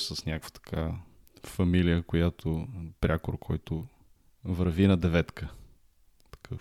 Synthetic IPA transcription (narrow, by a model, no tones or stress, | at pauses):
səsnʲakvə̥t̪ɐ̥kʰa | fɐmilijəkʊjat̪ʰopɾʲʔakoɾkʰɔjt̪ʊ | vəɾvinɐd̪ɛvɛt̪kʰə | t̪ɐ̥kʰə